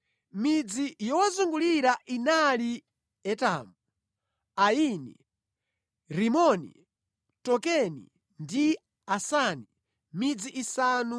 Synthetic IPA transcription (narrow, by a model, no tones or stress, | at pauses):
mid͡zijɔwazuŋɡuliɾaʔinali | ɛta̰mu | aiːnḭ | ɾimɔnḭ | tɔkɛnḭ | ndi | asani | mid͡ziʔisaːnu